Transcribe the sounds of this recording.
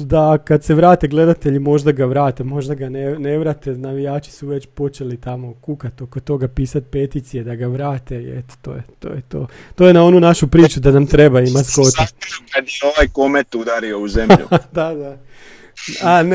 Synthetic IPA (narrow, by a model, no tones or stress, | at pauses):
d̪akad̪se̞ʋɾaːt̪e̞ɡle̞d̪at̪e̞ʎimo̞ʒd̪aɡaʋɾaːt̪emo̞ʒd̪aɡanene̞ʋɾat̪enaʋijaːt͡ʃi̥suʋe̞t͡ɕpo̞t͡ʃe̞lit̪amo̞kukat̪o̞kot̪o̞ɡapiːsat̪̚pe̞t̪iːt̪sije̞d̪aɡaʋɾaːt̪e̞ḛt̪o̥t̪o̰ːjet̪o̰ːjet̪o̰ːt̪ojenao̞nunaʃupɾiːt͡ʃud̪anamt̪ɾe̞baimasko̞t̪iad̪ioʋajkomet̪ud̪aɾiouzemʎṵd̪ad̪a | an